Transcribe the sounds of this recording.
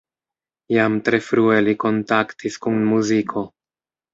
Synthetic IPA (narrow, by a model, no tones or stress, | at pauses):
jamtɾe̞fɾueliko̞ntaktʰiskunmuzikʰo̞